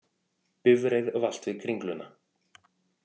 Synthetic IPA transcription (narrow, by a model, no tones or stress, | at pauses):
pʏvɾejðval̥t̪vɪðkʰɾiŋklʏnːa